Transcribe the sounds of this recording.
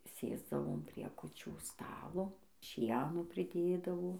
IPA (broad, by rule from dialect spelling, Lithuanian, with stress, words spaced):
ˈsʲeːzdɐʋoːm ˈpʲrʲiɛ kʊˈt͡ʃʲuː ˈstɑːlˠoː ˈʃʲiɛnoː pʲrʲɪˈdʲeːdɐʋoː